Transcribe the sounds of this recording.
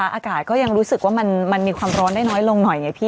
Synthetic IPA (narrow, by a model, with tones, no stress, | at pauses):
a˦˥ʔaː˧kaː˨˩t̪̚kɔː˥˩ja˧ŋɾuː˦˥sɯ˨˩k̚waː˥˩ma˧nma˧nmiː˧kʰwaː˧mɾɔː˦˥ndaː˥˩jnɔː˦˥jlo˧ŋnɔ˨˩jŋa˧˩jpʰiː˥˩